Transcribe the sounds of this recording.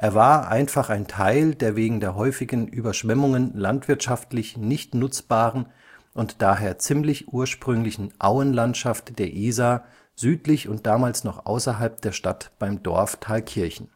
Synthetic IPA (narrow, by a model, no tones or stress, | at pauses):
ʔeːɐvaːɐʔa̰ɪnfaχaɪntʰaɪldeːɐveːɡŋ̩deːɐɦɔʏfɪɡən̩ʔyːbɐʃv̥ɛmʊŋənlantv̥ɪɐtʃaftlɪçnɪçtnʊt͡sb̥aːʁən | ʔʊntd̥aːɦeːɐt͡sɪmlɪçʔuːɐʃpʁ̥ʏŋlɪçn̩ʔaʊənlantʃaftd̥eːɐʔiːzaː | zyːtlɪçʊnt̚d̥aːmaːlsnɔχʔa̰ʊsɐɦalp̚d̥eːɐʃtatb̥aɪmdɔ̰ɐftʰaːlkʰɪɐçn̩